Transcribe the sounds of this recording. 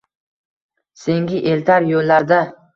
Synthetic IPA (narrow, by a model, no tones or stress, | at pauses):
se̞ŋɡʲɪʔelt̪ʰaɾjolːaɾd̪a